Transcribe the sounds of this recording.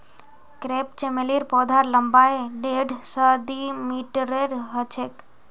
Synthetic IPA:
kɾeːpt͡ʃemeliːɾpɔːd̪ʱaɾləmbaːeɖeːɖʱsad̪imiːʈɾeɾɦət͡ʃʰek

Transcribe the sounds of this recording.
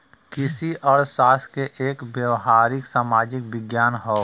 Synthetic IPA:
kɪsiʔəɽsaːskeʔeːkbjəʋɦaːɾɪksaːmaːd͡ʒɪk̚ʋɪɡjaːnɦoː

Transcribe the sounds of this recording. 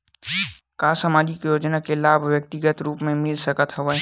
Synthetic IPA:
kaːsəmaːd͡ʒikjoːd͡ʒnakelaːbʱwjək̚t̪ɪɡət̪ɾuːpmẽmɪlsəkət̪ɦɐʋə

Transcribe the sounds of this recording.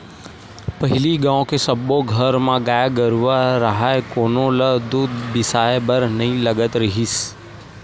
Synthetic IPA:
pəɦɪliɡãːõkesəboɡʱəɾmãɡaːjaɡəɾʋaɾəɦaekoːnoləd̪uːd̪bɪsaːebəɾnɐɦĩləɡət̪ɾəɦis

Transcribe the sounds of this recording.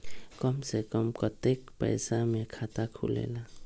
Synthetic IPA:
kɔmsekɔmkɔt̪ekpə̰jsamekʰat̪akʰṵlḛla

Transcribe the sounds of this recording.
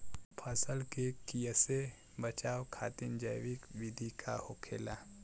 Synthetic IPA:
pʰəsəlkekijəse | bət͡ʃaːwkʰaːt̪ɪnd͡ʒəjwɪkwɪd̪ʱikʰahokʰḛːla

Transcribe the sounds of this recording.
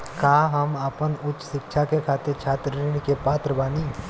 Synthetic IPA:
kaːɦəməpənʊt͡ʃːsɪkʃʰakekʰaːt̪ɪɾt͡ʃʰaːt̪ɾɪñikepaːt̪ɾəbaːniː

